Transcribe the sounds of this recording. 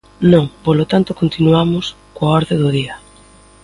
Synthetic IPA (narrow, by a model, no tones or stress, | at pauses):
nõŋpolot̪ant̪ʊkont̪inuamʊs | koaɔɾðeðʊðiɐ